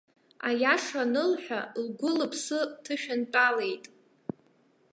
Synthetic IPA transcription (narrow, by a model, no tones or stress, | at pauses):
a̰jaʂanɨlħʷᶣalɡʷʊlɨpʰsɨtʰɨʃᶣant͡pʼale̞jtʼ